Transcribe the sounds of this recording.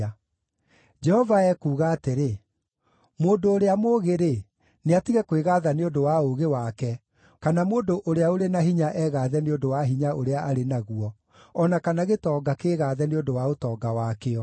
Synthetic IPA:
d͡ʒɛhɔvaɛkuːɣaːteɾe | moːndoːɾeamoːɣeɾe | neatiɣɛkweɣaːðaneondowaoɣewakɛ | kanamoːndoʔoɾeaoɾenaɦiɲaʔɛːɣaðɛneondowaɦiɲaoɾeaʔaɾenaɣuɔ | ɔnakanaɣetɔːɡakeːɣaːðɛneondowaotɔːɡawaːkeɔ

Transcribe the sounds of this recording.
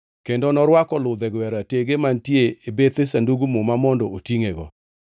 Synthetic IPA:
kendɔnɔɾwakɔlʊd̪ɛɡwɛɾateɡemantjeebet̪esanduɡumumamɔndɔotiŋeɡɔ̰

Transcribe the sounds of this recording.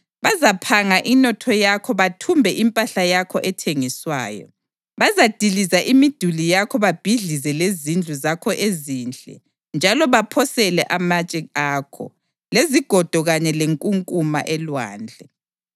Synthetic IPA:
βazapʰaŋaʔinɔtʰɔjakʰɔβatʰumbʱɛʔimpʼaɬajakʰɔʔɛtʰeŋiswa̰ːjɔ̰ | βazad̥ʱilizaʔimid̥ʱulijakʰɔβab̥ʱiɮizɛlezind͡ɮʱuzakʰɔʔeziːnd͡ɮʱɛ̰ | nd͡ʒʱalɔβapʰɔsɛlɛʔamat͡ʃʼɛaːkʰɔ̰ | leziɡ̥ʱɔd̥ʱɔɣaɲɛleŋkʼuŋkʼuma̰ʔɛlwa̰ːnd͡ɮʱɛ

